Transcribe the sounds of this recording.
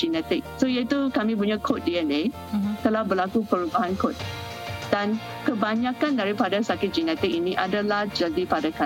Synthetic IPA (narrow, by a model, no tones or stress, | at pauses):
d͡ʒinɛt̪ɪk̚soijat̪ukamĩpuɲãkʰot̪̚diəne | t̪əlahbəlakupəɾubaɦankot̪̚ | dan | kəbaɲãkandaɾipadasakɪt̪̚d͡ʒinɛt̪ɪk̚inĩʔadalahd͡ʒadipadaka